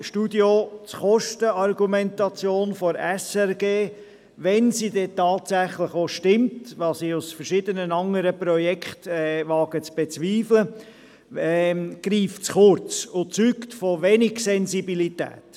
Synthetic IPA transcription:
ʃtudjot͡sχɔʃtəɑrɡumɛntɑt͡sjoːnfɔɾɛsɛɾɡeː | ʋɛnsidɛtɑːtsæχləχoʃtɪmtʋɑsiʊsfəɾʃɪdənənɑŋəɾəpɾɔjɛkʰχtɛvɑːɡ̥ət͡sb̥et͡sʋiːflə | ɛɡ̥ɾiːft͡sχʊɾt͡sʊt͡syktfɔʋɛnɪɡsɛnsibilitɛ̰ːt

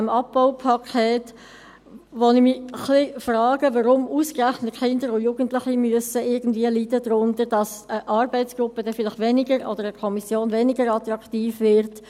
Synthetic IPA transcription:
mɑpːaʊpʰɑkʰɛːt | ʋonɪmiχlifrɑːɡ̥əʋɑɾʊmuːskræχnətχɪndəɾʊjuːɡən̩tlɪχimyəsəɪɾɡən̩d̥̪viəlidədɾʊndəɾd̥ɑsəʔɑɾbɛɪtt͡sɡ̥ʁʊpːədɛfɪlɪχʋɛnɪɡəɾɔ̰d̥əɾəkʰɔmisjoːnvɛnɪɡəɾɑt̪ɾɑktiːfvɪɾt

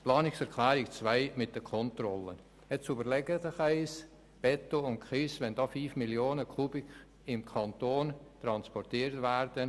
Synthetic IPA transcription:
plɑːnɪksɛɾkʰlɛːɾɪkt͡svaɪmɪt̚d̥əkʰɔntrɔlə | ɛt͡subəɾlɛɡətəχaɪs | b̥ɛtoʊntkχɪsvɛndɑːfyːfmiljoːnəkʰuːbɪk | ɪmkʰɑntoːntrɑnspɔrtiːɾtvɛɾd̥ən

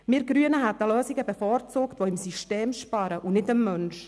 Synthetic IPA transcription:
mɪːɾɡ̥ɾyənəɦɛt̪ːəløːsiɡəbɛfɔːɾt͡suːktʋoɪmsiʃteːmʃpɑɾəʔunɪtəmːœnʃ

